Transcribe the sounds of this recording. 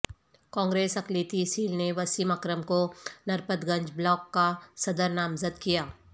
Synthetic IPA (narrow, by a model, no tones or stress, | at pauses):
kɔ̃ːŋɡɾeːsɐkleːt̪isiːlneʋɐsimɐkɾəmkonɐɾpət̪ɡɐ̃ɲd͡ʒblɔːkːasɐd̪əɾnaːmzəd̪kijaː